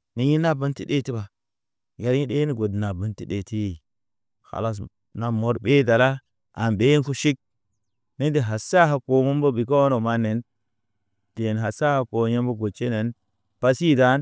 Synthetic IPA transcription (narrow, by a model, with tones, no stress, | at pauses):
ni˨ɲi˦na˦bə˦ntḭ˨de˦˨ti˦ba˨ | ja˨ɾji˦de˦ni˦ɡo˨dna˨bə˦nti˨ɗe˨ti˦˨ | xa̰˨la˦s̬ | na˨mo˦ɾbe˦da˨la˦ | a˨mbe˦n˦fu˦ʃi˦k̚ | ni˦ndi˨ɦa˨sa˦ɦa˨ko˨mu˦mbo˦bi˨k̬o˦o˦no˨ma˦ne˨n | te˨n˨ɦa˨sa˦ha˨ko˨je˦mbo˦ɡo˨t͡ʃːe˦ne˨n | pa˦si˦˨da˦n